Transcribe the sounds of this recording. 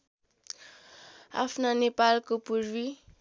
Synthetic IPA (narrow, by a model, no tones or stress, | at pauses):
a̰fnanepalkopuɾwi